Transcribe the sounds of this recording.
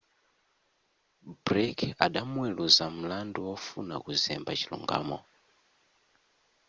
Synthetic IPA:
bɾɛkʰaɗamwɛluzam̩landuwɔfuna̰kuzɛmbat͡ʃilṵŋɡa̰ːmɔ̰

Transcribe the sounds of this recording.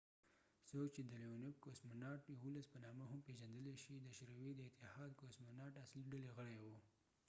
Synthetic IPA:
sokt͡ʃed̪əlenɪb̚kosmanɑʈjawolaspənɑməɦampeʒand̪əleʃid̪əʃɾawid̪əɪt̪ɪhɑd̪kosmanɑʈasliɖaleɣəɽajwu

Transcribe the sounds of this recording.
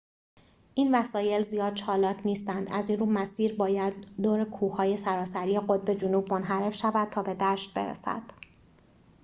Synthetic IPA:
ʔiːnvæsɒːje̞lzijɒːd̪̥̚t͡ʃʰɒːlɒːcʰniːst̪ænd̪æziːnruːmæsiːɾbɒːjæd̪̚ːoːɾekʰuːhɒːje̞sæɾɒːsæɾiːeɣod̪̚be̞d͡ʒunuːbmonɦæɾe̞fʃævæd̪̥̚t̪ʰɒːbe̞d̪æːʃt̪̚be̞̰ɾḛsæ̰d̪̥

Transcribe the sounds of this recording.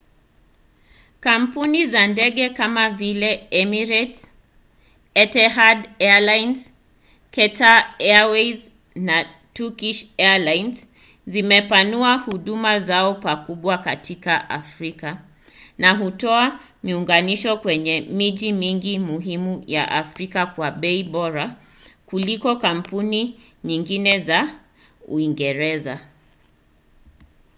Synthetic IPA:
kam̩punizandɛɠɛkamavilɛɛmiɾɛt | ɛtɛɦadɛalajnz | kɛtaɛawɛz | na | tukiʃɛalajnz | zimɛpanuahuɗumazaɔpakuɓwakatʰikaʔa̰fɾika | naɦutɔa | miuŋɡaniʃɔkwɛɲɛmiʄimiŋɡimuɦimuja̰ʔafɾikakwaɓɛiɓɔɾa | kulikɔkam̩puni | ɲiŋɡinɛza | ṵiŋɡɛɾɛza

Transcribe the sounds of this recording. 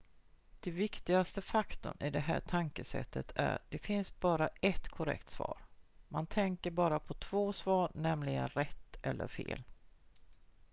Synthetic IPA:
d̪̥ɛvɪkt̪ɪɡast̪əfakt̪ʊ̰nɪd̪ɛɦæːʈʰaŋkəsɛ̰t̪ʰːət̪ʰæ̰ɖɛfɪnsb̥ɑːɾaɛt̪kʰʊɾɛ̰kt̪svɑ̰ːɾmant̪ʰɛŋkəɾbɑːɾapʰɔt̪ʰv̥oːsvɑːɾnɛmlɪɡənɾɛt̪ːʔɛlːʔə̰ɾfḛːl

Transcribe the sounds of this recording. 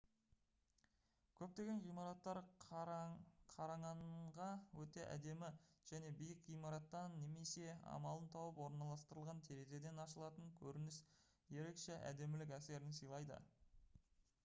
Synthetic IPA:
kʲʰɵp̚t̪e̞ɡʲe̞nʁijmɑɾɑt̪ːɑɾ | qʰɑɾɑɴɑnʁɑwɵt̪e̞ʔæ̰d̪e̞mɪʒ̥æne̞bijəqʁijmɑɾɑt̪ːɑnːe̞me̞se̞ɑ̰mɑlˠənt̪ʰɑwəpwo̞ɾnɑlˠɑst̪əɾəlˠʁɑnt̪ʰe̞ɾeze̞d̪e̞nɑʃəlˠɑt̪əŋkʲʰɵɾɪnɪs | je̞ɾe̞kʃeʔæ̰d̪e̞mɪlɪkʲæse̞ɾɪnsijlˠɑjd̪ə̰

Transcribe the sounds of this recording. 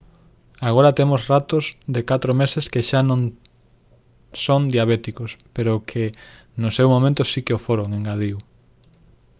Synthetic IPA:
aɣoɾɐt̪emosrat̪ʊzðekat̪ɾomeseskeʃanõŋ | soŋd̪jaβet̪ikospeɾʊkʰɪ | nʊsewmomẽnt̪ʊsikeofoɾoŋeŋɡað̞iw

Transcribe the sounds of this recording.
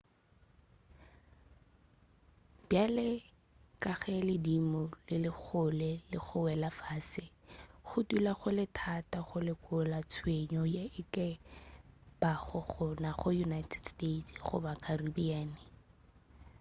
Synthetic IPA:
b̥jalɪ | kʼaɣɛlɪdimɔlɪlɪk͡xʰʊlɛlɪ̰ɣʊwɛlafaːsɪχʊtulaɣʊlɪtʰataɣʊlɪkʼʊlat͡sʰweɲɔjaɪkɛ | b̥aχɔχʊnaχʊjunajtʰɛdstetχʊ̰bakʰaribiaːnɪ

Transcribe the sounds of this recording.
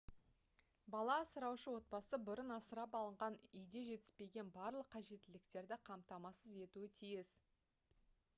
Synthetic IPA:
bɑlˠɑsəɾɑwʃəwo̞t̪̚bɑsəbʊɾənɑsəɾɑpɑlˠəɴʁɑnʏjd̪e̞ʒe̞t̪ɪspe̞ɡʲe̞nbɑɾlˠəqʰːɑʒe̞t̪ːɪlɪkt̪e̞ɾd̪ɪqʰɑmt̪ɑmɑsəze̞t̪uɪt̪ʰijɪs

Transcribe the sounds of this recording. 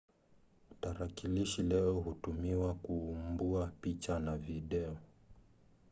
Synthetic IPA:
taɾakiliʃilɛɔɦutumiwakuːmbuapit͡ʃanaviɗɛɔ

